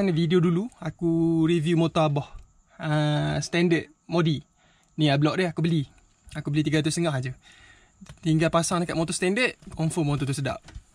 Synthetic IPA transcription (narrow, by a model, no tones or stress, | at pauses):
anvidioduluakuɾivjumot̪oabɔh | əst̪ɛndət̪̚ | modi | niablɔʔ̚dəakubəli | akubəlit̪iɡat̪usəŋahd͡ʒə | t̪iŋɡalpasaŋdəkatʔ̚mot̪ɔst̪ɛndət̪̚kɔɱfɔmot̪ɔt̪̬usəda̰ʔ̚